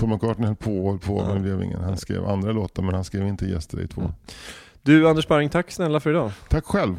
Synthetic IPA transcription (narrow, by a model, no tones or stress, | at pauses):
fɔɾmakʰɑːʈənhɛlpʰoːɔlpʰo̰vɛnbleːvɪ̰ŋːə̰nhanskɾḛːva̰nd̪ɾaloːt̪aɾmɛnhanskɾeːvɪnt̪əjɛ̰st̪əɾɪ̰t̪ʰvo̰ː | d̪ɵand̪əʂbaɾɪŋt̪ʰakːsnɛlːafœɾɪd̪ɑːt̪ʰakːɧɛlv